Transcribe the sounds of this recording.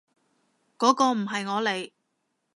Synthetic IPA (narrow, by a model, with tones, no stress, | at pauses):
kɔː˨˥kɔː˧m̩˨˩ɦɐ˨jŋɔː˨˧le˨˧j